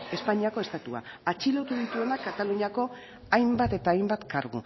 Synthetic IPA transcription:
e̞spaɲiako̞e̞st̪at̪ua̰at͡ʃilo̞t̪uðit̪ue̞nakat̪aluɲako̞ | ajmbat̪e̞t̪aːjmbat̪kaɾɣṵ

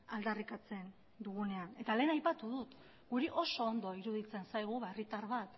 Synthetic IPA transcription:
ald̪arikat͡se̞n | d̪uɣ̞une̞ane̞t̪ale̞ːnajpat̪uðut̪ | ɡuɾiʔo̞so̞ːnd̪oiɾuðit͡se̞nsajɣ̞uβaerit̪aɾβat̪

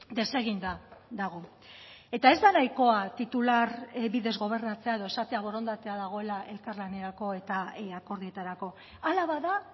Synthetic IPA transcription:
d̪e̞se̞ɣind̪ad̪aɣo̞ | e̞t̪ae̞zd̪anajko̞at̪it̪ulaɾbiðe̞zɣo̞β̞e̞ɾnat͡se̞ae̞ð̞o̞esat̪e̞aβ̞o̞ɾo̞nd̪at̪e̞aðaɣ̞o̞e̞laʔe̞lkarlane̞ɾako̞e̞t̪aako̞ɾðie̞t̪aɾako̞ | alaβaða

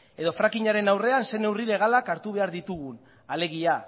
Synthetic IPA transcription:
e̞ðo̞fɾakiɲaɾe̞nawre̞anse̞ne̞wrile̞ɣ̞alakaɾt̪uβe̞aɾðit̪uɣ̞un | ale̞ɣ̞ia

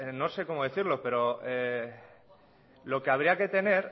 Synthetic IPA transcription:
no̞se̞ko̞moð̞eθiɾlo̞pe̞ɾo̞e | lo̞ke̞aβ̞ɾiake̞t̪e̞ne̞ɾ

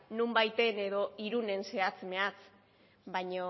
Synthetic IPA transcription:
numbajt̪e̞ne̞ðo̞iɾune̞nse̞at͡sme̞at͡s | βajɲo

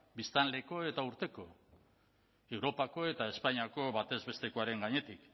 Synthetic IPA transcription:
bist̪anle̞ko̞e̞t̪auɾt̪e̞ko̞ | e̞wɾo̞pako̞e̞t̪ae̞spaɲiako̞βat̪e̞zβe̞st̪e̞ko̞aɾe̞ŋɡaɲe̞t̪ik

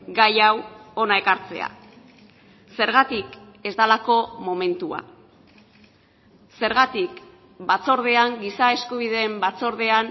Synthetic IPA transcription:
ɡajawo̞nae̞kaɾt͡se̞̰a̰ | se̞ɾɣat̪ik | e̞zd̪alako̞mo̞me̞nt̪ua̰ | se̞ɾɣat̪ik | bat͡so̞ɾð̞e̞aŋɡisae̞skuβ̞iðe̞ːmbat͡so̞ɾð̞e̞an

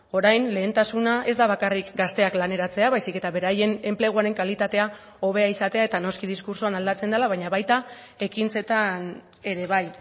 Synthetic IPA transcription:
o̞ɾajnle̞ːnt̪asunaʔe̞zd̪aβakarikɡast̪e̞aklane̞ɾat͡se̞aβajsike̞t̪aβe̞ɾaje̞ne̞mple̞ɣ̞uaɾe̞ŋkalit̪at̪e̞a | o̞β̞e̞aisat̪e̞ae̞t̪ano̞skiðiskuɾsoanald̪at͡se̞nd̪elaβ̞ajɲaβajt̪a | e̞kint͡se̞t̪an | e̞ɾe̞β̞aj

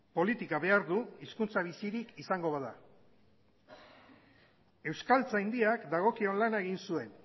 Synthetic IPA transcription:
po̞lit̪ikaβe̞aɾðuiskunt͡saβ̞isiɾikisaŋɡo̞βaða | e̞wskalt͡sajnd̪iakd̪aɣ̞o̞kio̞nlanaeɣ̞insue̞n

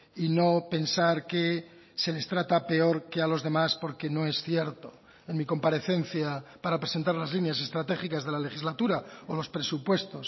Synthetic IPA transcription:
ino̞pe̞nsaɾke | se̞le̞st̪ɾat̪ape̞o̞ɾke̞alo̞zðe̞maspo̞ɾke̞no̞e̞sθjeɾt̪o | enmiko̞mpaɾe̞θe̞n̟θjapaɾapɾese̞nt̪aɾlazlinjas̬e̞st̪ɾat̪e̞xikazðe̞lale̞xizlat̪uɾaolo̞spɾe̞supwe̞st̪o̞s

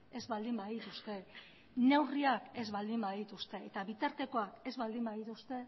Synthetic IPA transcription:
e̞zβald̪imbaðit̪ust̪e̞ | ne̞wriake̞zβald̪imbaðit̪ust̪e̞et̪aβit̪aɾt̪e̞ko̞ake̞zβald̪imbaðit̪ust̪e̞

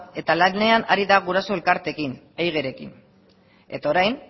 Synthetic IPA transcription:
e̞t̪alane̞anaɾiðaɣ̞uɾaso̞e̞lkaɾt̪e̞kin | ejɣe̞ɾe̞kḭn | e̞̰t̪aoɾajn

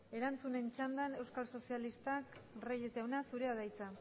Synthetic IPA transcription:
e̞ɾant͡sune̞nt͡ʃand̪ane̞wskalso̞sialist̪akrajezʝawnasuɾe̞aðajt͡sa

